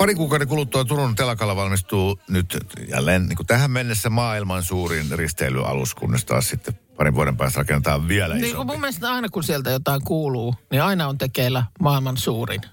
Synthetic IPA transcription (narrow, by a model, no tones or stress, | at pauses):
pɑriŋkuːkɑˑoɾekulut̪ːuɑt̪urunt̪elɑkɑlːɑʋɑlmist̪uːnyt̪jɑ̰lennḭŋkut̪æhæmmenːesːæmɑːilmɑnsuːrinrist̪eˑily̰ʔɑ̰lṵskṵnːest̪ɑ̰ːssit̪ːepɑriʋʋuoɾempæːst̪rɑkenːet̪ɑːʋʋiælæniniːŋskumumːeest̪ɑinɑkunsielt̪æjot̪ɑˑiŋkuːluːniɑinɑont̪ekeːlːˑæmɑːilmɑnsuːrḭn